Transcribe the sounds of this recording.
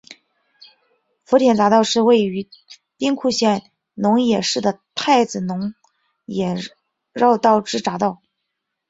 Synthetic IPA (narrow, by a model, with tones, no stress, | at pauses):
fɔ˧˥t̪ʰjɛ˨˩nt͡sa˧˥t̪ɑ˥˧ʊʂɻ̩˥˧we˥˩ɪy˧˥ | t̪i˥ŋkʰu˥˧ɕjɛ˥˩n | nʊ˧˥ŋjɛ˨˩ʂɻ̩˥˩d̪ə˩t̪ʰa˥˩ɪd͡zɹ̩˨˩nʊ˧˥ŋ | jɛ˨˩ | ɻɑ˥˧ʊt̪ɑ˥˩ʊʈ͡ʂɻ̩˥ʈ͡ʂa˧˥t̪ɑ˥˩ʊ